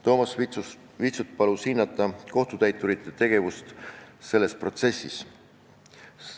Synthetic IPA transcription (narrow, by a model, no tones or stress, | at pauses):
t̪o̞ːmɑs | vit̪sut̪̚pɑlushinːɑt̪ːˑɑko̞ht̪ut̪æjt̪ːˑuɾit̪ːˑet̪e̞ɡ̥e̞vust̪se̞lːe̞spro̞t̪se̞sːis